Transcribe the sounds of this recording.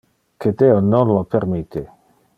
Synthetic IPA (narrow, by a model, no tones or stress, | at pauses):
ked̪eononlopeɾmit̪ʰe